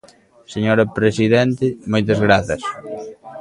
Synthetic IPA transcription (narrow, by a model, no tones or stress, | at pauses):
seɲoɾɐpɾesiðent̪ɪmojt̪̬ɐzɣɾaθɐs